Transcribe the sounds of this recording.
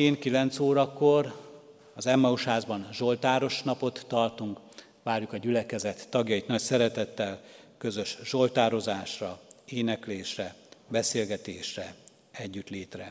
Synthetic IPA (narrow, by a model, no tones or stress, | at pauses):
eːnkilɛnt̪soːɾɒkːo̞r | ɒzɛmːɒuʃhaːzbɒnʒo̞lt̪aːɾo̞ʃnɒpo̞t̪ːɒrt̪uŋk | ʋaːrjukɒɟylɛkɛzɛt̪ːɒɡjɒjit̪nɒcsɛɾɛt̪ɛt̪ːɛlkø̞zøʃʒo̞lt̪aːɾo̞zaːʃrɒeːnɛkleːʃrɛbɛseːlɡɛt̪eːʃrɛ | ɛɟːyt̪leːt̪rɛ